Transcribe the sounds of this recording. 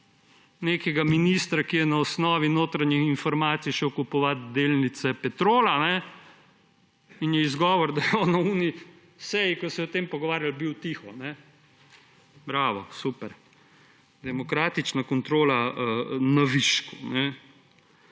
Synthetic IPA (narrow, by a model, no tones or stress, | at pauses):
neːkɛɡaminist̪ɾakijɛnaɔsnɔːʋinoːt̪ɾaɲjixinfɔɾmaːt̪sijʃɛwkupɔʋat̪d̪eːlnit̪sɛpɛt̪ɾoːlanɛ | injɛizɡɔːʋɔɾd̪ajɛɔːnauni | sɛjikɔsɛɔt̪empɔɡɔʋaːɾjalbiwt̪ixɔnɛ | bɾaːʋɔsupɛɾ | d̪ɛmɔkɾaːt̪it͡ʃnakɔnt̪ɾoːla | naʋiʃkunɛ